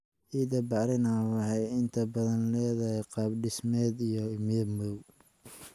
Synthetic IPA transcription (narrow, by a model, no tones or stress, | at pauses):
ʔiːd̪ɐbɑɾɪnaːwɑħɑjɪnt̪ʰɐbɐðɐnlɛːðɐɦɛjqɑːb̚ɖɪsmɛːd̪ijɔɪmɪɐmɔw